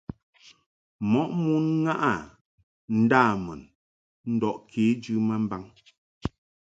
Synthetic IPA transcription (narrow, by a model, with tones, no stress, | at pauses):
mɔ˨˦ʔmu˦nŋa˦ʔa˨ | n̩˦daː˦˨mə˨n | n̩˦dɔ˨ʔkʰe˨˦d͡ʒʉ˦mə˦m˦ba˦ŋ